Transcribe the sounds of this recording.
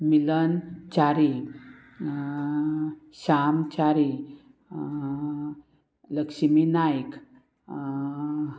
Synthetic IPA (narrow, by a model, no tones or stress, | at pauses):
milənt͡ɕaɾi | ɕamt͡ɕaɾi | ləkɕminajk